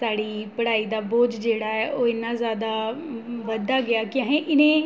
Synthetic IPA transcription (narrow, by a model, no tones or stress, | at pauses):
saːɽiːpəɽaːiːd̪aːboːd͡ʒd͡ʒeːɽaːɛːʔoːɪnːãːzjaːd̪aːʋəd̪aːɡɪaːkɪãːɦẽːʔɪnẽː